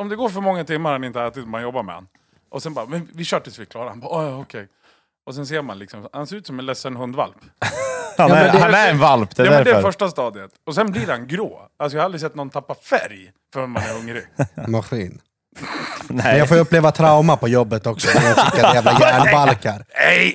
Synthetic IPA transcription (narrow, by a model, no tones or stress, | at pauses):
ɔmd̪ɛɡoːɾfœɾmɔŋːat̪ʰɪmːaɾhanɪnt̪əalt̪ɪd̪ɔmhanjɔbːaɾmɛ̰a̰nː | ʔɔsɛnbɑːɾamɛnvɪɕœːʈəsvɪkʰlɑːɾahanbɑːʔɔjɔkʰɛj | ʔɔsɛns̬eːɾmanlɪksɔmɔhanseːɾʉːt̪sɔmɛnlɛsːənɦɵnd̪va̰lp | aːmɛd̪aæɾɛnvalpd̪ɛad̪ɛnd̪ɛfœʂʈast̪ɑːd̪ɪət̪ɔsɛnblɪɾhanɡɾo̰ː | alsɔjahalɾɪs̬ɛt̪ːnɔnt̪ʰapːafæ̰ɾj | fœɾɔnmanæɾɵŋɾɪmaɧiːn | mɛnafoːjɵpːleːvat̪ʰɾaʊmapɔjɔbːət̪ɔksɔsaɪkːaæːvlajæːɖbalkaɾɛj